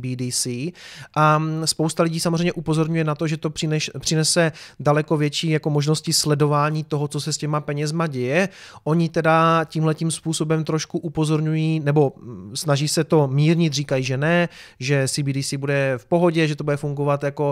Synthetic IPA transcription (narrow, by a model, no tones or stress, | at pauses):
biːdiːsiːʔaspowst̪alɪɟiːsamozreɛjmɲɛʔupozo̞ɾɲujɛnat̪oʒɛt̪o̥ɪnɛpr̝̥ɪnɛsɛdalɛko̞vjɛt͡ʃiːjako̞mo̞ʒno̞scɪslɛdo̞vaːɲiːt̪o̞ɦot͡so̞sɛscɛmapɛɲɛzmaɟɛjɛʔoɲɪt̪ɛdaciːmɦlɛcimspuːso̞bɛmt̪ɾo̞ʃkuʔupo̞zo̞ɾɲujiːnɛbo̞snaʒiːsɛt̪o̞miːɾɲɪt̪riːkajiːʒɛnɛʒɛsibiːdiːsiːbudɛfpo̞ɦo̞ɟɛʒɛt̪obudɛfuŋɡovat̪jako̞